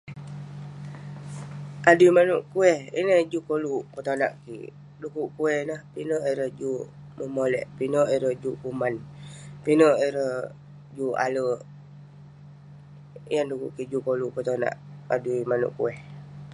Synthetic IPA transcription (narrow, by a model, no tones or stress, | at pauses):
ʔaduimanuʔkuɛhḭnəd͡ʒukoluʔpət̪ona̰ʔkḭʔ | dukuʔkuɛhnahpinəʔiɾəhd͡ʒu | məmolɛ̰ʔpinəʔiɾəhd͡ʒuʔkumanpinəʔeɾəh | d͡ʒua̰lə | jandukṵʔkiʔd͡ʒukolupət̪ona̰ʔaduimanṵʔkṵɛh